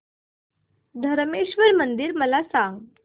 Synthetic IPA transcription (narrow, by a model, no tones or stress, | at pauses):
d̪ʱəɾmeɕʋəɾmənd̪iːɾməlasãŋɡ